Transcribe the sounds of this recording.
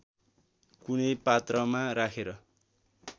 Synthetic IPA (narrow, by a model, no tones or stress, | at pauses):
kunʌjpat̪rʌmaɾakʰeɾʌ